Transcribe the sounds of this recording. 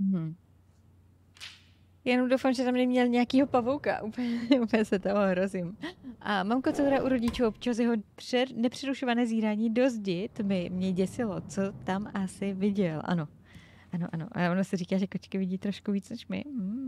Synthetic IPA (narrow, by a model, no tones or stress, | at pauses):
m̩ɦm̩ | janomdowfamʒɛt̪amnɛmɲɛlɲɛakiːɦo̞pavowka̰ʔuːpɲɛuːpjɛsɛt̪ooɦɾo̞zɪmʔamamkot͡sɛdoɾaʔuɾo̞ɟɪt͡ʃuːʔopt͡ʃas̬jɛɦoprɛnɛpr̝̥ɛɾuʃovanɛːziːɾaːɲiːdo̞zɟɪt̪mɪmɲɛɟɛsɪlot͡so̞t̪amʔasɪvɪɟɛlʔa̰no̞ | ʔano̞̰ʔano̞̰ʔaavonasɪriːkaːʒɛkot͡ʃkɪvɪɟiːt̪ɾo̞ʃkuviːt͡snɛʃmɪ̰